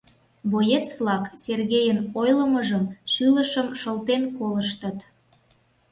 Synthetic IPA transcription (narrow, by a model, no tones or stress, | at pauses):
bojet͡sβlɑkserɣejənojləməʒəmʃyləʃəmʃəlt̪enkoləʃt̪ət̪